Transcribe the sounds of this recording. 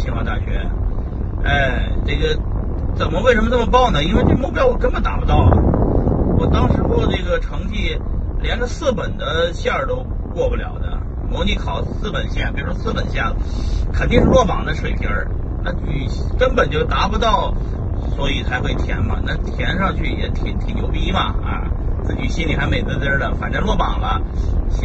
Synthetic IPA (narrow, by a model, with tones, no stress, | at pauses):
t͡ɕʰi˧˥ŋwɑ˥˧t̪a˥˩ɕɥɛ̰˧˥ | e˥˩ɪʈ͡ʂe˥˩ɡə˩ | t͡sə˨˩nmə˦we˥˩ɪʂə˧˥mə˧nə˥˩mə˩pɑ˥˩ʊnə˩i˥nwe˥˧ʈ͡ʂə˥˩ɡə˧mu˥˩pjɑ˥ʊxɔ˧˩kə˥n˥bə˨˩nt̪a˧˥pu˧˥˩t̪ɑ˥˩ʊ̰˩ | wɔ˨˩t̪ɑ˥ŋʂɻ̩˧˥xo˥˧˩ne˥˩ɡə˩ʈ͡ʂʰɤ˧˥ŋt̪ʰi˥˩ljɛ˧˥nʈ͡ʂə˧sɹ̩˥˩pə˨˩nd̪ə˦ɕja˥˩ə˨˩t̪o˥ʊ | kwɔ˥˧pu˧˩ljɑ̰˨˩ʊd̪ə̰˧ | mo˧˥ʊni˧˥˩kʰɑ˨˩ʊsɹ̩˥˩pə˨˩nɕja˥˩pi˨˩ɻu˧˥ʂwɔ˥sɹ̩˥˩pə˨˩nɕja˥˩lə˩kʰə˨˩nt̪i˥˧ŋʂɻ̩˥˧lwɔ˥˩pɑ˨˩ŋd̪ə˦ʂwe˨˩ɪt̪ʰjə˧˥ | na˥˧ny˨˩˥kə˥npə˨˩nt͡ɕjo˥˩ʊt̪a˧˥pu˧˥t̪ɑ˥˩ʊ | swɔ˧˥i˨˩t͡sʰa˧˥ɪxwe˥˩ɪt̪ʰjɛ̰˧˥nmɐ̰˧na˥˩t̪ʰjɛ˧˥nʂɑ˥˧ŋt͡ɕʰy˥˩jɛ̰˧˥t̪ʰi˨˩ŋt̪ʰi˨˩ŋjo˧˥ʊpi˥mɐ˨ɐ̰˧t͡sɹ̩˥˩t͡ɕi˨˩ɕi˥nli˨˩xa˧˥ɪme˧˩ɪt͡sʰa˥ɪt̪ə˥d̪ə˩fa̰˨˩nʈ͡ʂə˥˧lwɔ˥˩pɑ˨˩ŋlə˧˥